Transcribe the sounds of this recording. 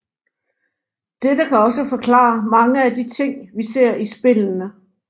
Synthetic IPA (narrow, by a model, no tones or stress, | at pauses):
d̥edəkʰæɒ̽səfɒ̽kʰlɑ̰̈ːmɑ̈ŋəæd̥it͡sʰe̝ŋ̰ʋise̝ɐ̰isb̥e̝lnə